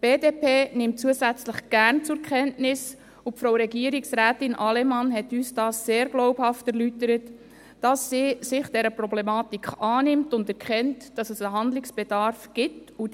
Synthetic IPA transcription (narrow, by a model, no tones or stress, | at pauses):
b̥eːdeːpeːnɪmtt͡suəsæt͡sləχɡ̥æɾnt͡sʊɾkʰɛntnɪs | upfɾowɾɛɡiəɾiksɾæːtɪnʔɑlɛmɑnɦɛtyːsd̥ɑːsːeːɾɡ̥lɔʊphɑftæɾlytəɾətː | ɑsːiːsɪχd̥ɛɾəprɔblɛmɑːtikχɑːnɪmtʊndæɾkχɛntd̥ɑsəsəɦɑndlɪksb̥ɛd̥ɑɾfɡ̥ɪtu